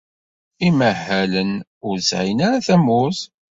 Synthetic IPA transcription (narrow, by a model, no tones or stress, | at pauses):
iməhːælənʊɾsʕinaɾaθæmʊθ